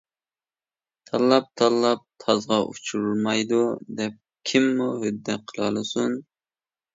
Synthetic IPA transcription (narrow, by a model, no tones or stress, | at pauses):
t̪ʰɑlˠːɑp̚t̪ʰɑlˠːɑp̚t̪ʰɑzʁɑʔut͡ʃʰuɾulmɑjd̪ud̪ɛp̚ | kʲʰimːuhød̪ːɛqʰəlˠɑlˠɨsun